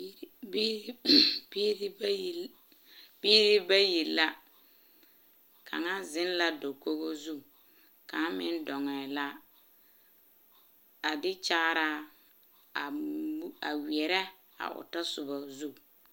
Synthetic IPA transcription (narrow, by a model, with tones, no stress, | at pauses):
bi˦˨ | b̥iː˦ɾɪ˦ba˦ji˨lːa˦ | kʰa̰˨ŋa˦zɪ˦n˦la˦do˨ko˦ɣo˦zu˦ | ka˨˦mɪ˦ndɔ˨ŋɛː˨la˦ | a˨dɪ˦t͡ʃa˦ɾa˦˨ | a˨wɛ˨ɾɛ˦ | a̰˨ʔʊ̰˨ta˦sʊ˨ba˨zu˦˨